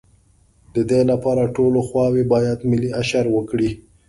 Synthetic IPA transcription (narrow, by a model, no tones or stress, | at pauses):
d̪əd̪elapɑɾaʈoloxwɑwebɑjad̪mɪliaʃaɾwəkɽi